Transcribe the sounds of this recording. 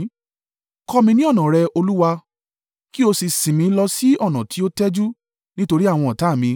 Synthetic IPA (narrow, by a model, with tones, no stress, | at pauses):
kɔ˦mĩ˧nĩ˦ɔ˦˨nã˨ɾɛ˧o˧lu˦wa˧ | ki˦o˧si˧sĩ˨mĩ˨˧lɔ˧si˦ɔ˦˨nã˨tʰi˨˦o˦tɛ˦d͡ʒu˦ | nĩ˦to˧ɾi˦a˦˨w̃ɔ̃˧ɔ˨ta˨˦˨mĩ˧